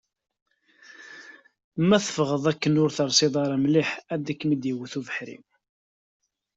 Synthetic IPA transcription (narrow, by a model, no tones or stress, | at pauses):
mæθə̥fʁəðˤækːənʊɾθəɾˤsˤɪd̪ˤɑɾˤɑmliħæd̪ækːmid̪jəwːəθuvəħɾḭ